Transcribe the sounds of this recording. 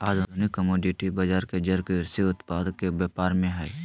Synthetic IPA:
aːd̪ʱd̪ʱunɪkːəmoːɖɪʈibəd͡ʒaːɾked͡ʒəɾkeɾseʊt̪paːd̪kebjɛːpaːɾmẽɦɛː

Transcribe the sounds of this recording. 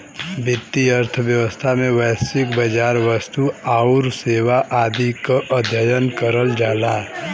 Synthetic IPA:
bɪt̪ːiəɾt̪ʰəʋjəʋəst̪ʰamẽʋəːsɪkbəd͡ʒaːɾʋəst̪uaʊɾseːʋaʔaːd̪ikaʔəd̪ʱjəjənkəɾəld͡ʒaːlaː

